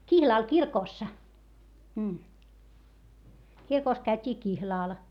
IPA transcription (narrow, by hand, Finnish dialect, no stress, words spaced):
kihlɑˑl kirkoˑsːɑ kirkoˑs kæytʲiː kihlɑˑl